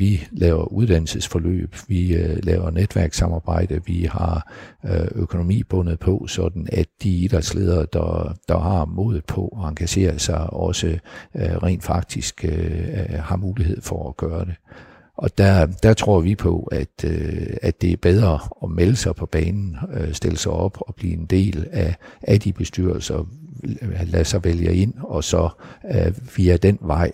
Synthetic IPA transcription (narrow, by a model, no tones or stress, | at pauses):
ʋilʔɛːʊɐʔuð̞ˠd̥ænl̩səsfɒlø̰ːb̥ʋilɛːʊɐned̥ʋæɐɡ̥sɑ̈mɑ̈ːb̥ɑ̈ɪ̰d̥əʋihɑ̈ | økʰo̝no̝mḭːb̥ɔ̽nəð̞̩ˠpʰɒ̽sɒ̽d̥n̩æd̥d̥iid̥ɑsle̝ð̞ˠɐd̥ɑd̥ɑ̈hɑ̈mɔ̰ːðˠð̩ˠpʰɒ̽ɒɑ̈ŋɡ̥æɕe̝̰ːɐsɑ̈ɪɒ̽səʁɛ̰ɪːnd̥fɑ̈ɡ̥̚d̥isɡ̥ | hɑ̈muːliɦe̝ð̞̰ˠfɒːɡ̥ɶːɐɾ̥e̝ | ʔɒ̽d̥æd̥æt͡sʰʁo̝ɐ̰ʋipʰɒ̽æd̥øæ̥e̝æɐb̥eð̞ˠʁɐɒ̽meləsɑ̈ɪpʰɒ̽b̥ɛːnn̩øsd̥e̝ləsɑ̈ɪɒ̽b̥ɒb̥lḭːe̝nd̥e̝̰ːlæʔæd̥ib̥e̝sd̥yɐl̩sɐ | læsɑ̈ɪʋeljəe̝n̰ɒ̽sɒ̽ | ʋiæd̥enʋɑ̈ɪ̰